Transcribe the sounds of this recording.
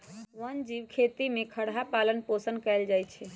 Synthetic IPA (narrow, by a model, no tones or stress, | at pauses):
ʋənd͡ʒiʋkʰet̪imekʰəɽɦapalənposənkɛɪld͡ʒajt͡ʃʰɛ